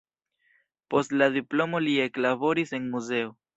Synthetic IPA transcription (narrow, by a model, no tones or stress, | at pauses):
po̞stladiplo̞mo̞lie̞klabo̞ɾise̞nmuze̞o̞